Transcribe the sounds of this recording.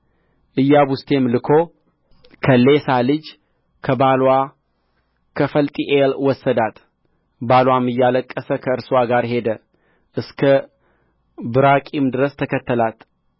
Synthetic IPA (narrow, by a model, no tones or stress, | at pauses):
ʔɨjːaβʊst̪ʰe̞mlɨkʰo̞ | kʰəlesalɨd͡ʒ | kʰəbalwa | kʰəfəlt̪ʼiʔelwɔsːəd̪at̪ | balwamɨjːaləkʼːəsəkʰəɨɾswaɡaɾhe̞d̪ə | ʔɨskʰə | bɨɾakʼimd̪ɨɾəst̪ʰəkʰət̪ʰːəlat̪